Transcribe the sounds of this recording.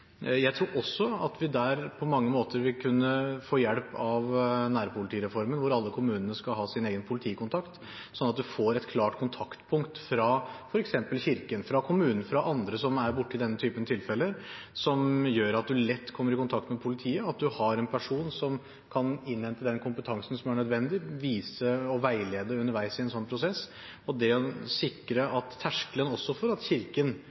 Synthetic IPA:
jæɪt̪ʰɾuːɾɔsːɔɑt̪ʋɪd̪æːɾpʰɔmɑŋːəmoːt̪ʰəɾʋɪlkʰʉnːəfoːjɛlpɑʋnæːɾpʰʊlɪt̪iːɾɛfɔɾmənʋʊɾɑlːəkʰʊmʉːnənəskɑlɦɑːsɪneːɡənpʰʊlɪt̪ʰiːkʊnt̪ʰɑkt̪ | sɔnːɑt̪̚d̪ʉfoːɾɛt̪kʰlɑːʈkʰʊnt̪ʰɑkt̪pʰʊŋkt̪fɾɑfɔɾɛksɛmpəlçɪɾkənfɾɑkʰʊmʉːnn̩fɾɑʔɑnd̪ɾəsɔmæɾbʊʈːəɪd̪ɛnːət̪ʰyːpənt̪ʰɪlfɛlːəsɔmjøːɾɑt̪̚d̪ʉlɛt̪ːkʰɔmːəɾɪkʊnt̪ʰɑkt̪mɛpʰʊlɪt̪ʰiːəɑt̪̚d̪ʉhɑɾɛnpʰæʂuːnsɔm | kʰɑnɪnːhɛnt̪əd̪ɛnkʰʊmpət̪ʰɑŋsn̩sɔmæɳœd̪ʋɛnd̪ɪʋiːsəɔʋæɪleːd̪əʉnːəɾʋæɪsɪɛnsɔnːpʰɾʊsɛsː | ɔd̪ɛɔsɪkːɾəʔɑt̪ʰːæʂkələnɔsːɔfɔɾɑt̪çɪɾkən

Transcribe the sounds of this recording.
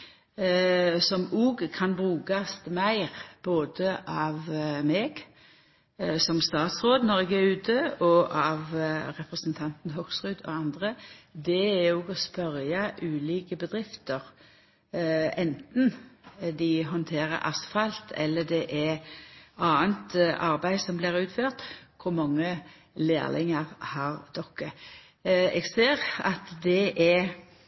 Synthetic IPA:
sɔmuːɡkʰɑnbʁʉːkɑst̪mæɪʁb̥oːd̪əʔɑːʋmeːɡ | sɔmst̪ɑːt̪sʁoːd̪nɔʁɛɡɛʉːt̪ʰəɔʔɑʋɾɛpʁɛsnt̪ʰɑnt̪n̩ɦɔɡ̥sʁʉːd̪ɔ̰ɑnd̪ʁəd̪ɛæuːɡɔspœɾjɑʔʉːliːkəbəd̪ʁɪft̪əʁ | ɛnt̪n̩d̪ɪɦɔnt̪ʰeːɾə̰ɾʔɑ̰sfɑlt̪ʰɛ̰lːəd̪ɛʔɛ | ɑːənt̪ʔɑɾbæɪsɔmblɪːʁʉːt̪føːʁt̪kʰʊɾmɑŋːə | lḛːlʔɪŋəʁhɑʁd̪̥ɔkːə | ɛɡseːʁɑt̪d̪ɛʔɛ

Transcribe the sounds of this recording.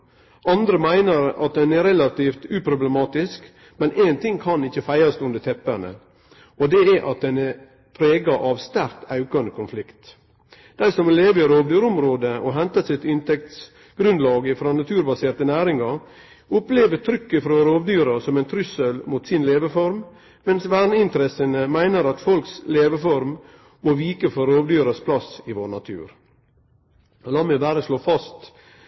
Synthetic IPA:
ɑnd̪ɾəmæɪnəɾɑ̰t̪̚d̪ɛnɛɾɛlɑt̪iːft̪ʉːpʰɾʊbləmɑːt̪ɪsk | mɛnʔɛːnt̪ʰɪŋkʰɑnɪçːəfæɪɑst̪ʉnd̪ət̪ʰɛpːæɳə̰ | ɔd̪ɛɛʔɑt̪̚d̪ɛnɛɾ | pʰɾeːɡɑʔɑʋst̪æɾkt̪ɑʉkɑnəkʰʊnflɪkt̪ | d̪̥æɪsɔmɛleːʋəəɾoːʋd̪yːɾʊmɾoːd̪əʔɔɦɛnt̪ɑsɪt̪ɪnt̪ɛk̚t̪s | ɡ̥ɾʉnd̪lɑːɡəfɾɑːnɑt̪ʰʉːɾbɑseːɾt̪ənæːɾɪŋɑ | ʊpleːʋət̪ʰɾʏkːəfɾɑːɾoːʋd̪yːɾɑsɔmɛɪnt̪ʰɾʏsəlmuːt̪sɪnleːʋəfɔɾm | mɛnsʋæːɳəɪnt̪əɾɛsənəmæɪnəɾɑt̪fɔlksleːʋəfɔɾm | moːʋiːkəfɔɾoːʋd̪yːɾɑspʰlɑsɪʋoːɾnɑt̪ʰʉ̰ːɾ | lɑːmɛbæːɾəʂloːfɑst̪

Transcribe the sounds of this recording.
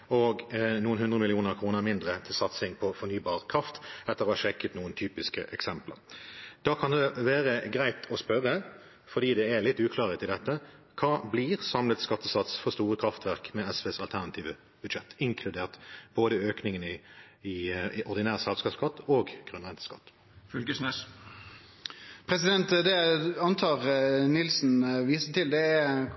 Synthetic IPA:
ɔɡnuːənhʉnd̪ʁəmɪlɪuːnəɾkʰʁuːnəɾmɪnd̪ʁət̪ʰɪlsɑt̪sɪŋpʰɔfɔnyːbɑːʁkʰʁɑft̪ɛt̪ːəɾʁɔːɑʃɛkːət̪nuːənt̪ʰyːpɪskə̰ʔɛksɛmplə̰ʁd̪̥ɑːkʰɑnd̪ɛʋæːʁəɡʁæɪt̪ʰɔspœʁə | fɔɾd̪iːd̪ɛælɪt̪ːʉːkʰlɑːʁət̪ʰɪld̪ɛt̪ːə | kʰɑːbliːʁsɑmlət̪skɑt̪ːəsɑt̪sfɔst̪uːʁəkʰɾɑft̪ʋæʁkmɛɛsʋeːsɑlt̪ʰæʁnɑt̪ʰiːʋə | b̥ʉd̪ʃɛt̪ːɪŋkʰlʉd̪eːʁt̪b̥oːd̪əøːknɪŋənɪ | ɪʔɔʁd̪ɪnæːʁsɛlskɑːpskɑt̪ːoːɡɡ̥ʁʉnʁɛnt̪ə̥skɑ̰t̪ː | fʉlɡəsnɛs | pʰɾɛsɪd̪ɛnt̪d̪ɛɑnt̪ʰɑːʁnɪlsn̩ʋiːsət̪ɪld̪ɛː

